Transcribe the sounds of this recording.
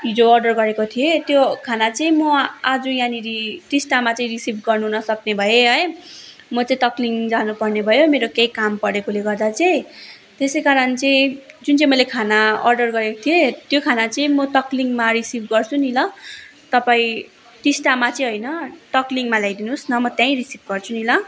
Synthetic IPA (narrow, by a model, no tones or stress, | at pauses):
ɦid͡zoʌrɖʌrɡʌɾekot̪ʰijet̪jokʰanat͡sʌĩmʌad͡zujaniɾiʈisʈamat͡saĩrisibʱɡʌrnuɦunʌsʌknebʱʌjeɦʌj | mʌt͡sãĩt̪ʌkliŋd͡zanupʌrnebʱʌjomeɾokejkampʌɽekuleɡʌrd̪at͡saj | t̪esejkaɾʌnt͡sʌĩd͡zunt͡sʌĩmʌjlekʰanaʌ̰rɖʌrɡʌɾekot̪ʰiet̪jokʰanat͡sʌĩmʌtʌkliŋmaɾisibʱɡʌrt͡sʰunilʌ | t̪ʌpaĩ | ʈisʈamat͡sʌĩɦojnʌʈʌkliŋmalajd̪inusnʌmʌt̪jãĩrisib̚ʱɡʌrt͡sʰunilʌ